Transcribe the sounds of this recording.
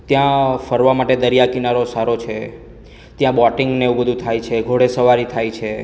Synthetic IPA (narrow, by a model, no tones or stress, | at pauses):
t̪jãfəɾʋamaʈed̪əɾijakinaɾosaɾot͡ʃʰe | t̪jãbɔʈɪŋɡneubəd̪ʱũt̪ʰajt͡ʃʰeɡʱoɽesəʋaɾit̪ʰajt͡ʃʰe